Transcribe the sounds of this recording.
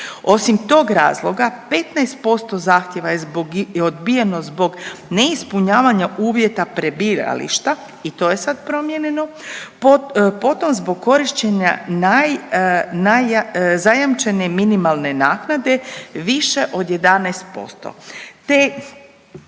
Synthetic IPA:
o̞simt̪o̞ːɡɾa̰ːzlˠo̞ɡape̞t̪naest̪̚po̞st̪o̞zaːxt̪jeʋajezboɡod̪bijeno̞zbo̞ɡneispuɲaːʋaɲaʔuːʋje̞t̪apɾe̞biːɾa̰lḭʃt̪a | it̪o̞jesad̪pɾo̞mjeɲeno̞ | po̞t̪o̞mzbo̞ɡ̚kːo̞ɾiʃt͡ɕeɲa̰najnazajamt͡ʃe̞ne̞minimalˠne̞naːknad̪e̞ʋiʃe̞ʔo̞d̪je̞d̪anɛest̪̚po̞̰st̪o̰t̪e

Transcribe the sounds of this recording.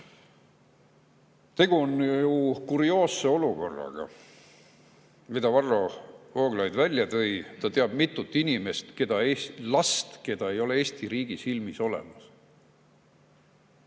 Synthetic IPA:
t̪e̞ɡ̥uonjjukuɾio̞ːse̞o̞luko̞̰rːɑ̰ɡ̥ɑ̰ | mid̪ɑvɑrːo̞o̞ːɡ̥lɑjd̪vælʲjɑt̪ɤ̞jt̪ɑt̪eɑb̥mit̪ːˑut̪ːˑinime̞st̪ke̞d̪̥ɑeːslɑst̪ke̞d̪̥ɑe̞jo̞le̞e̞ːst̪iɾiːɡ̥isilmiso̞le̞̰mɑs

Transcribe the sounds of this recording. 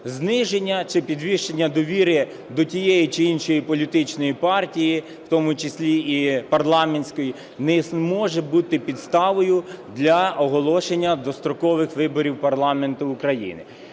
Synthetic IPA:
znɪʒenʲːɐt͡ʃɪpʲid̪ʋʲiʃt͡ʃenʲːɐd̪ɔʋʲiɾɪ | d̪ɔtʲijɛjit͡ʃɪinʃɔjipɔlʲit̪ɪt͡ʃnɔjipɑrtʲiji | w̥t̪ɔmʊt͡ʃɪsʲlʲiipɐrlˠɑmenʲsʲkɔji | nɛmɔʒɛbut̪ɪpʲid̪st̪ɑʋɔjʊd̪lʲɐɔɦɔlˠɔʃenʲːɐd̪ɔst̪ɾɔkɔʋɪxʋɪbɔɾʲiwpɐrlˠɑme̞nt̪ʊːkɾɐjḭnɪ

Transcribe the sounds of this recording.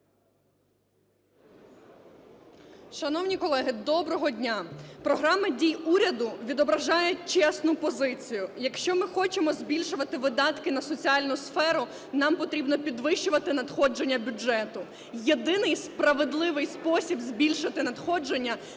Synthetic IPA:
ʃɐnɔwnʲikɔlˠɛɦɪd̪ɔbɾɔɦɔdʲnʲapɾɔɦɾɑmɪdʲijuɾʲɐd̪ʊʋʲid̪ɔbɾɐʒɑjʊt̚ʲt͡ʃɛsnʊpɔzɪt͡sʲijʊjɐkʃt͡ʃɔmɪxɔt͡ʃemɔzbʲilʲʃʊʋɐt̪ɪʋɪd̪ɑt̪kɪnɐsɔt͡sʲiɑlʲnʊsfɛɾʊ | nɑmpɔt̪ɾʲibnɔpʲid̪ʋɪʃt͡ʃʊʋɐt̪ɪnɐd̪xɔd͡ʒenʲːɐbʲʊd͡ʒɛt̪ʊ | jed̪ɪnɪjspɾɐʋed̪lˠɪʋɪjspɔsʲibzbʲilʲʃɪt̪ɪnɐd̪xɔd͡ʒenʲːɐ

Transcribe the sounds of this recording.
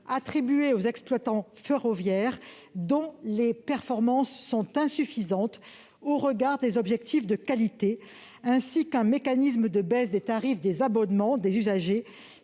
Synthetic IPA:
at̪χibɥeozɛksplwat̪ɑ̃feʁɔvjɛʁ | d̪ɔ̃lepɛʁfɔʁmɑ̃sːɔ̃t̪ɛ̃syfizɑ̃t̪ | oʁəɡaʁd̪ezɔbʒɛk̚t̪ifd̪əkalit̪e | ɛ̃sikɛ̃mekanis̬məd̪əbɛsd̪et̪aʁifd̪ezabɔnmɑ̃d̪ezyzaʒe

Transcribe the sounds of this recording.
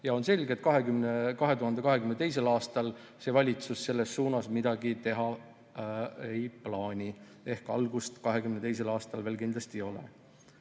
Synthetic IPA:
jɑo̞nse̞lʲɡe̞t̪̚ːˑkɑɦe̞ɡymnekɑɦe̞t̪uɦɑnd̪e̞kɑɦe̞kymnet̪e̞js̬e̞lɑːst̪ɑl | se̞vɑlʲit̪susse̞lːe̞sːuːnɑsmid̪ɑɡ̥it̪e̞ɦɑ | ejplɑːnʲi | e̞hkɑ̰lɡust̪kɑɦe̞ɡymnet̪e̞js̬e̞lɑːst̪ɑlve̞ːlkind̪lɑst̪io̞lḛ

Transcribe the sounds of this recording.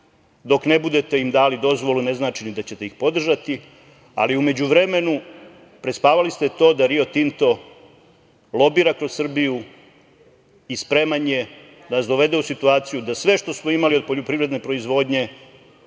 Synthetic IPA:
d̪o̞kne̞bud̪e̞t̪e̞imd̪aːlid̪o̞zʋo̞lune̞znaːt͡ʃinid̪at͡ɕe̞t̪eixpo̞d̪r̩ʒat̪i | a̰liume̞d͡ʑuʋɾe̞me̞nu | pɾespaːʋalist̪et̪o̞ːd̪aɾio̞t̪int̪o̞ | lˠo̞biːɾakɾo̞ssr̩biju | ispɾe̞manje̞ | d̪anasd̪o̞ʋe̞d̪e̞usit̪uaːt̪sijud̪asʋe̞ʃt̪o̞smoimalio̞d̪̚po̞ʎo̞pɾiːvɾe̞d̪ne̞pɾo̞izʋo̞d̪ɲe̞

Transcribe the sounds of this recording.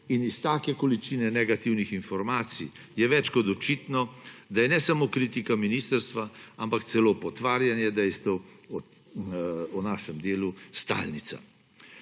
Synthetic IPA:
inist̪aːkɛkɔlit͡ʃinɛnɛɡat̪iwnixinfɔɾmaːt̪sḭ | jɛʋɛt͡ʃkɔd̪ɔt͡ʃiːt̪nɔd̪ajɛnɛsamoːkɾit̪ikaminist̪əɾst̪ʋaampakt̪sɛloːpɔt̪ʋaːɾjanjɛd̪ɛjst̪ɛwɔ | ɔnaːʃɛmd̪eːlust̪a̰ːlnit̪sa̰

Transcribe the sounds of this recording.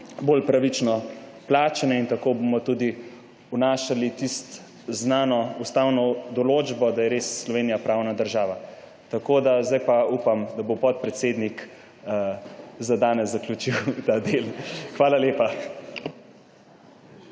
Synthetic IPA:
bolpɾaʋit͡ʃnɔplaːt͡ʃɛnɛint̪akoːbomɔt̪ud̪i | unaːʃalit̪ist̪ | znaːnɔust̪awnɔd̪ɔloːd͡ʒbɔd̪ajɛɾesːlɔʋeːnijapɾaːwnad̪əɾʒaːʋa | t̪akod̪azd̪ajpaupamd̪abopɔt̪̚pɾɛt̪seːd̪nik | zad̪aːnɛsːɐklʲut͡ʃiwt̪ad̪elxʋaːlaleːpa

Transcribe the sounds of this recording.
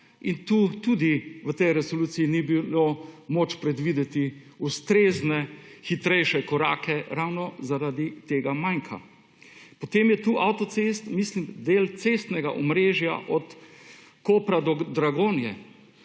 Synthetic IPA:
int̪uːt̪uːd̪iʋət̪ɛjɾɛsoluːsiinibilomoːt͡ʃpɾɛd̪ʋiːd̪ɛt̪i | ust̪ɾeːznɛxit̪ɾɛjʃɛkɔɾa̰ːkɛɾawnɔzaɾad̪it̪eːɡamajŋkʰa̰ | pɔt̪emjɛt̪uːʔawt̪ɔt̪sest̪mislimd̪eːlt̪sest̪nɛɡa̰ʔɔmɾeːʒja̰ʔɔt̪ | koːpɾad̪ɔd̪ɾaɡoːnjɛ

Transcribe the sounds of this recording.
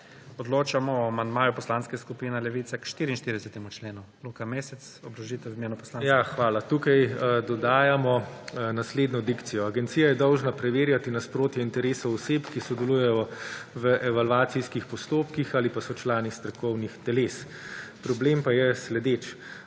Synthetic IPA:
ɔd̪loːt͡ʃamɔɔamand̪maːjupɔslaːnskɛskupiːnɛlɛʋiːt̪sakʃt̪iːɾiːnʃt̪iɾd̪ɛsɛt̪ɛmut͡ʃleːnu | loːkameːsɛt̪sɔbɾɔʒit̪ɛimeːnupɔslaːnjaxʋaːlat̪ukajd̪ɔd̪aːjamɔnasleːd̪nɔd̪ikt̪sijɔaɡɛnt̪sijajɛd̪ɔwʒnapɾɛʋeːɾjat̪inaspɾoːt̪jɛint̪ɛɾeːsɔɔsepkisɔd̪ɛlujɛjɔʋəʔɛʋalʋaːt̪siskixpɔst̪oːpkixalipasɔt͡ʃlaːnist̪ɾɔkɔwnixt̪ɛleːs | pɾɔblempajɛslɛd̪et͡ʃ

